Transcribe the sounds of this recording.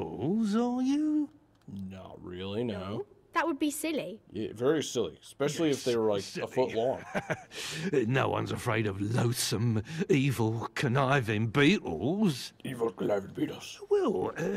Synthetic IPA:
lˠzəjə | nə̰ʔ̚ɹɪlˠinoʊðəʔ̚wəd̚bisɪliæ̰vɛɹisɪlˠḭspɛʃl̩ˠiɨfðeɪwə˞laɪkɪəfʊʔlɔ̃ŋ | noʊwʌ̰̃nzəfɹeɪɾəvloʊsə̃miːvəlˠkʰənaɪvɪ̃ŋbiˑʔl̩ˠz̥ivl̩ˠkʰənaɪvɪ̃ŋbiɾ̩ˠz̥wɛlˠə

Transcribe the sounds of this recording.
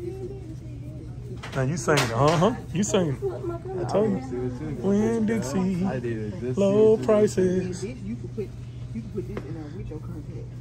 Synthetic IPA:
naʊjɨsẽɪɪ̃nʌ̃ɦʌ̃jɨsẽɪ̃ntʰɛ | wɪ̃ndɪdsi | lopʰɹ̥aɪsɪz̥

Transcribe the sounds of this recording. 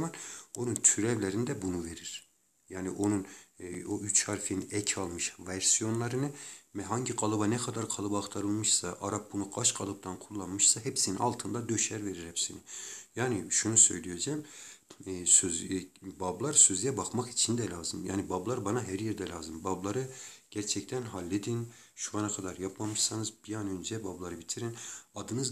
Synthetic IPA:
mano̞nunt̪ʰyɾɛvlʲeɾind̪ɛbunuve̞ɾiɾ̥ | jaːniʔo̞nunoʔyt͡ʃhaɾfiniɛcʰalˠmɯʃvæɾsijo̞nlˠaɾɯnɯmɦaɲɟiɡɑlˠɯbanɛkʰad̪aɾkʰalˠɯbaːχt̪ʰaɾɯlˠmɯʃsaʔaɾap̚bunuɡ̥aʃɡɑlˠɯp̚t̪ʰankʰulˠːanmɯʃsaɦepsininalˠt̪ʰɯnd̪ad̪øʃæɾve̞ɾiɾhɛpsinijaːniʃunusø̞jlʲijed͡ʒɛmː | søzbablˠaɾsøzjɛbakmakit͡ʃʰind̪ɛlʲaːzɯmja̰ːnibablˠaɾbanaɦæɾjiɾd̪ɛlʲaːzɯmbablˠaɾɯɟ̥æɾt͡ʃʰɛct̪ʰænɦalʲːed̪in | ʃuanakʰad̪aɾjapmamɯʃsanɯzbijanønd͡ʒɛbablˠaɾɯbit̪ʰiɾinad̪ɯnɯz

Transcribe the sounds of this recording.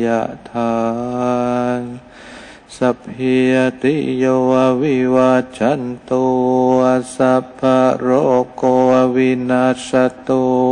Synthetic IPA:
aʔt̪ʰa | n | sap̚ɦiat̪ijoawiwad͡ʒant̪oasabaɾokoawinasat̪o

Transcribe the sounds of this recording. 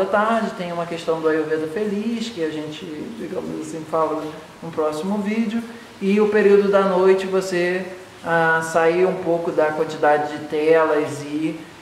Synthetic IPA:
ɐt̪aɾd͡ʒɪt̪ẽj̃ũmɐkeʃt̪ɐ̃w̃d̪ʊɐjovẽd̪ɐfeliʃkɪaʒẽt͡ʃɪd͡ʒiɡɐ̃mɐsẽfavɐlɐ | nũpɾɔsimʊvid͡ʒɪʊ | ɪʊpeɾiwd̪ʊd̪ɐnojt͡ʃɪvose | asaiɾũpowkʊd̪ɐkwɐ̃nt͡ʃid̪ad͡ʒɪd͡ʒɪt̪ɛlɐzɪ

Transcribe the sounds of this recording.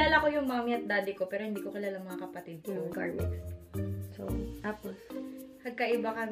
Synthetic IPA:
laːlako̞jʊŋmamiʔɐt̪̚d̪aːd̪ɪko̞pɛːɾohɪnd̪iːkokɪlaːlɐŋmɐŋakɐpɐt̪ɪd̪̚pojʊɡa̰ɹmɛ̰sso̰t̪aːpospɐɡ̚kɐʔɪbakɐ

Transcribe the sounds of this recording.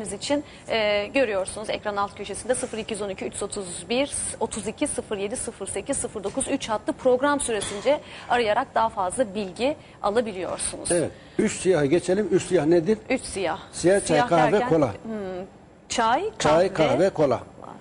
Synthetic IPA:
mizit͡ʃʰinː | ɟø̞ɾyjo̞ɾsunuzɛ̰cɾanalt̪cʰøʃe̞sind̪ɛsɯfɯɾicʰijyzo̞nicʰyyt͡ʃʰyzo̞t̪ʰuzbiɾ̥o̞t̪ʰuzicʰisɯfɯɾje̞d̪isɯfɯɾse̞cʰizsɯfɯɾd̪o̞kʰuzyt͡ʃhat̪ʰlˠɯpʰɾo̞ɡɾamsyɾe̞sind͡ʒɛaɾɯjaɾak̚d̪aɦafazlˠabilʲɟi | a̰lˠabilʲijo̞̰ɾsunṵze̥vɛt̪ | yt͡ʃsijahɯɟet͡ʃʰelʲimyt͡ʃsijahned̪iɾyt͡ʃsijahsijat͡ʃʰajkʰavɛo̞lˠa̰ | t͡ʃʰajkt͡ʃʰajkʰaɦvɛkʰo̞lˠa̰

